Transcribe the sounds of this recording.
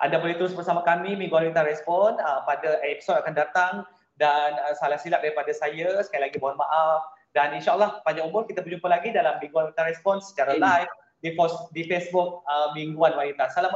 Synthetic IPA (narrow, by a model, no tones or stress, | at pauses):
ʔa̰ndabolɛht̪əɾʊsbərsamakamimĩŋɡuaint̪aɾrɛspɔnəpadaʔɛpi̥sɔdakandat̪aŋ | danəsalahsilaʔ̚daɾipadasajasə̥kajalaɡibaamaʔaf | daninʃaəlːɔhbaɲakumʊrkit̪abərd͡ʒumpalaɡidalamːĩŋɡualint̪arɾɛspɔnsə̥t͡ʃaɾalajf | dikɔsdifesbʊk̚əmiŋɡuanwanint̪asala